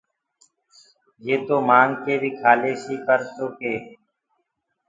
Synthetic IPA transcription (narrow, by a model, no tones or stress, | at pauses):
jeːt̪oːmaːŋkeːbʱiːkʰaːleːsiːkəɾtoːkeː